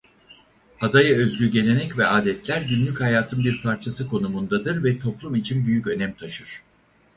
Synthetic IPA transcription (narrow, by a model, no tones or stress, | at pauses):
ad̪ajaø̞zɟʲyɟe̞lʲe̞nɛcvɛaːd̪ɛt̪ʰlʲæɾɟynlʲychajaːt̪ʰɯnbiɾpʰaɾt͡ʃʰasɯkʰo̞numund̪ad̪ɯɾvɛt̪ʰo̞plˠumit͡ʃʰinbyjycø̞nɛmt̪ʰaʃɯɾ̥